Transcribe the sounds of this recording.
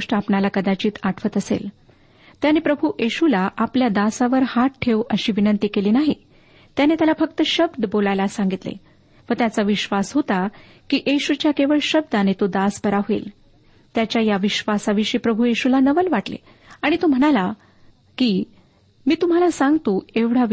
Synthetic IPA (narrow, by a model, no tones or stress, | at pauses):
ʂʈəapnalakəd̪at͡ɕiːt̪aʈʰʋət̪əsḛl | t̪janepɾəbʱujeɕulaʔapljad̪asaʋəɾhaʈ̚ʈʰːeʋəɕiːʋinənt̪iːkeliːnaɦi | t̪janet̪jalafək̚t̪əɕəbd̪bolajlasãŋɡit̪lḛ | ʋət̪jat͡saʋiɕʋasɦot̪a | kiːʔeɕut͡ɕjakeʋəɭɕəb̚d̪anet̪od̪asbəɾaʋḛl | t̪jat͡ɕjajaʋiɕʋasaʋiɕiːpɾəbʱujeɕulanəʋəlʋaʈlḛ | aɽ̃it̪om̤əɽ̃ala | kiː | miːt̪um̤alasaŋɡt̪oeʋɽ̤a